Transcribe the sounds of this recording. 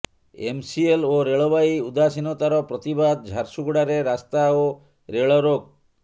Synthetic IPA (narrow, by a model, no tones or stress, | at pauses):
ḛmsieloɾeɭɔbajud̪asinɔt̪aɾɔpɾɔt̪ibad̪̚d͡ʒʱaɾsuɡuɽaɾeɾast̪ao | ɾeɭɔɾoɡ̚